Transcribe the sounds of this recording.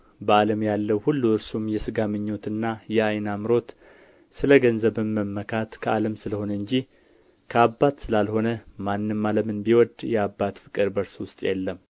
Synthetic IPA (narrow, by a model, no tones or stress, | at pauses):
bəaləmjalːəwhulːuɨɾsumjɛsɨɡamɨɲːo̞t̪ɨnːajɛajnamɨɾo̞t̪ | sɨləɡənzəβɨnːəmːəkʰat̪kʰəaləmsɨləho̞nəɨɲd͡ʒi | kʰəabːat̪sɨlalho̞nəmanːɨmːaləmɨnbiwɔd̪jɛabːat̪fɨkʼɨɾbəɾswʊst̪ʼjɛ̰lːəm